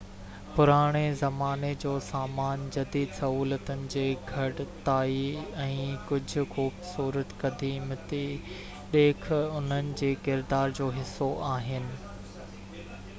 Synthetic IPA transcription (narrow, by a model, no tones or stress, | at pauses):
pʊɾaːɽ̃ezɐmaːned͡ʑoːsaːmaːnd͡ʑɐd̪iːd̪sɐɦuːlət̪ʊnɪ̆d͡ʑeːɡʱɐɽt̪aːiɛ̃ːkʊd͡ʑʱʊ̆xuːbsuːɾət̪kɐd̪ʱimt̪i | ɗ̪eːkʰʊn̤ənɪ̆d͡ʑeːkɪɾd̪aːɾd͡ʑoːɦɪsːoʔaːɦɪnɪ̆